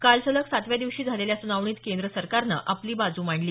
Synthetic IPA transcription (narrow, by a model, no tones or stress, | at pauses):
kalt͡sələksat̪ʋjad̪iʋɕiːd͡zʱaleljasunaʋɳiːt̪kend̪ɾəsəɾkaɾnə̰ʔapliːbad͡zuːmaɳliː